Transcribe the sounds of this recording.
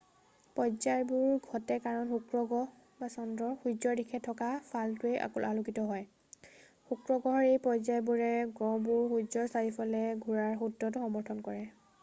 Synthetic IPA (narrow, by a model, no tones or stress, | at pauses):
pɔzajbuɹɡʱɔtɛkaɹɔnxukɹɔɡɔ | basɔndɔɹxuzɔɹdikʰɛtʰːɔkapʰaltuejʔa̰kṵlʔalukitɔɦɔj | xukɹɔɡɔɔɹejpɔzajbuɹɛɡɔ̃buɹxuzɔɹsaɹipɔlɛɡʱuɹaɹxudːɔtʊxɔmɔɹtʰɔnkɔɹɛ